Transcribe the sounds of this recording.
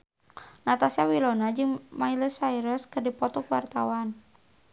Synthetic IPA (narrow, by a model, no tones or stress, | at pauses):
nat̪asiawilɔnad͡ʒɨŋmailəsaiɾəskɨrdipɔt̪ɔkwart̪awan